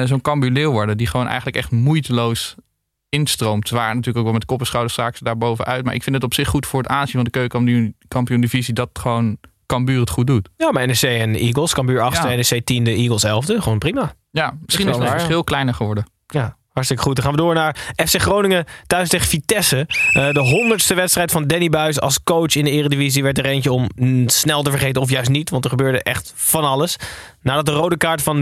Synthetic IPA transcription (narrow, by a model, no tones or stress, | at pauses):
zownkɑmbylɪwʋɔɹdədiχəʋownʔɛ̰jχənləkɛ̰χtmujtəlows | ɪnstrowmtʋaːnatyːɹləkokʋɛlˠmɛtkɔpəsχɑwdəɹstaːkəsədaːɹbowvəʔœɥtma̰ːɹʔɪ̰kfɪntətɔpsɪχːutfʊːɹətaːnzinvɑndəkøɥkkɑmpijundivizidɑtχəʋown | kɑmbyːrətχut̚dutjaːmaɛnɛsejɛniːɡəlˠskɑmbyːɹɑχsəɛnɛsejtindəiɡəlˠsɛlˠvdəχəʋownprima | jamɪssχinɪssχɪlˠklɛjnəɹχəʋɔɹdə | jaː | hɑɹtstɪkə̥χut̚dɔχaːnʋədʊːɹnaːɹɛfseχrownɪŋətœɥsteχəfitɛsədəɦɔndəɹtstəʋɛtstrɛjtfɑndɛnibœɥs̬ɑ̰lˠskowt͡ʃɪndəɪːrədiviziʋɛtdərejncəɔmsnɛlˠtəvəɹχejtəɔfjœɥs̬tnitʋɑntəχəbøːɹdəʔɛ̰χtfɑnɑləs | naːdɑt̚dərowdəkaːɹtfɑn